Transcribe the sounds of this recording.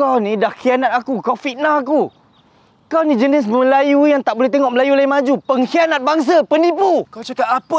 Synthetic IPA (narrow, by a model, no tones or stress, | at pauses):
kawnĩdahkianat̪̚akukafit̪̚naaku | kawnid͡ʒənɪs̬məlajujaŋt̪aʔ̚bolɛht̪̬eŋɔʔməlajulaimad͡ʒupəŋkianat̪̚baŋs̬apənipukawt͡ʃakap̚apə